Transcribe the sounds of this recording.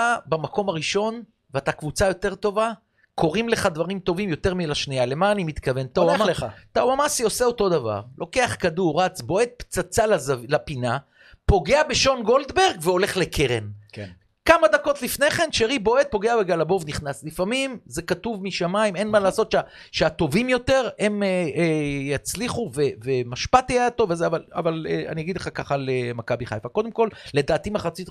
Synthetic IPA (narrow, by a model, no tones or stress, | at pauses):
abamako̞maʁiʃo̞n | veat̪akvut͡sajo̞t̪eʁt̪o̞va | kʰo̞ʁimle̞χad̪vaʁimt̪o̞vimjo̞t̪e̞ʁmilaʃniale̞maːnimit̪kave̞nt̪aaaeat̪awamasio̞se̞o̞t̪o̞d̪ava̰ʁlo̞ke̞aχkaduʁʁat͡sbo̞e̞t̪̚pt͡sat͡salazvlapina | po̞ɡe̞abe̞ʃo̞nɡo̞ld̪be̞ʁɡveo̞le̞χle̞kʰeʁḛnke | kamad̪ako̞t̪lifne̞χe̞nʃeʁibo̞et̪̚po̞ɡeabeɡalabo̞vniχnaslifamimze̞kat̪uvmiʃamaime̞nmalaːso̞t̪ʃea | ʃeat̪o̞vimjo̞t̪e̞ʁemeejat͡sliχuvevemaʃpat̪ajaat̪o̞vezeavala̰valea̰nijaɡid̪leχakaχalemakabiχajfako̞d̪e̞mko̞lle̞d̪aːt̪imaχat͡sit̪